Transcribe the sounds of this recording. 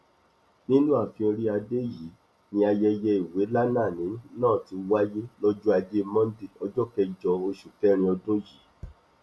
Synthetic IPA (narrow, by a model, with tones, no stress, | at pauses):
nĩ˦nũ˦a˦˨fĩ˧o˧ɾi˦a˧de˦ji˨˦ | nĩ˧a˧jɛ˧jɛ˧i˨we˨˦la˦nãː˦˨nĩ˨˦nãː˦˨ti˨˧wa˦je˦lɔ˦d͡ʒu˦a˧de˦˧mɔ̃˦n˦di˦˨ɔ˧d͡ʒɔ˦kɛ˧˦d͡ʒɔ˧o˧ʃu˨fɛ˦ɾ̃ĩ˧ɔ˧dõ˦ji˨˦